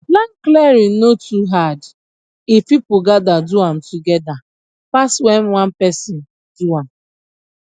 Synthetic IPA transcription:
blaŋklɛɹinotuɦad | ifpipʊɡadaduãm̩tuɡɛda | paswɛnwãnpɛsɔn | d̥uam

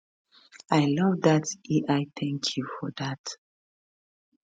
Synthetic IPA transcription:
aɪlʌvdatʔiaɪtʰɛ̃ŋkʰjufɔðat

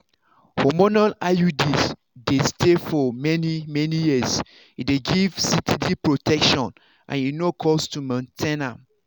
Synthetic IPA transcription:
hɔmɔnalajudis | destʰefɔmɛnimɛnijis | ideɡiv̥sitʰidipɹotʰɛkʃɔ̃n | ʔã̰ninokʰɔstumɔ̃ntʰɛna

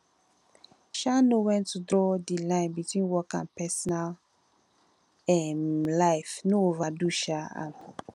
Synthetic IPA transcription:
ʃanowɛ̃ntːudɹɔdilãɪ̃nbitwĩnwɔkã̰npɛsɔnal | ɛmlaɪfnoovaduʃaã̰n

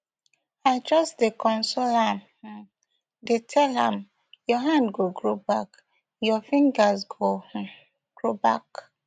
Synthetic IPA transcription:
aɪt͡ʃɔsdekɔ̃nsolam̩ | detʰɛlãm | jɔɦãndɡoɡɹobak | jɔfĩŋɡazɡo | ɡ̥ɹobak

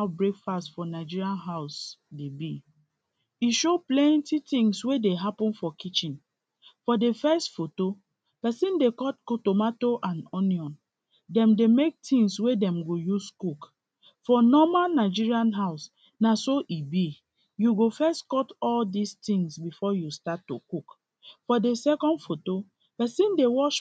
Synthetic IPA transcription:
aʊbɹekfastfɔnaɪd͡ʒiɹiãnɦaʊsdebi | iʃoplɛ̃ntitĩŋswedeɦapɔ̃nfɔkit͡ʃĩn | fɔdefɛstfoto | pɛsĩndekɔtkotomatoʔãnɔniɔ̃n | dɛ̃mdemek̚tʰĩŋswedɛ̃mɡojuskuk | fɔnɔmanaɪd͡ʒiɹiãnɦaʊs | nasoʔibi | juɡofɛstkɔtɔldistĩŋsbifɔjustatːṵkuk | fɔdesɛkɔ̃ndfoto | pɛsĩndewɔʃ

